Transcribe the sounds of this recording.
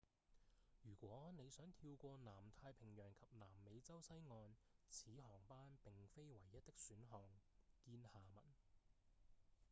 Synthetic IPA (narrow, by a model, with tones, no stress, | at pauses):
jyː˨˩kʷɔː˨˥ne˨˧jsœː˨˥ŋt̪ʰiː˧wkʷɔː˧naː˨˩mt̪ʰaː˧jpʰɪ˨˩ŋjœː˨˩ŋkʰɐ˨p̚naː˨˩mːe˨˧jt͡sɐ˥wsɐ˥jŋɔː˧nt͡sʰiː˨˥ɦɔː˨˩ŋpaː˥npɪ˨˩ŋfe˥jwɐ˨˩jːɐ˥t̪̚ːɪ˥k̚syː˨˥nɦɔː˨˩ŋkiː˧nhaː˨˩mɐ˨˩n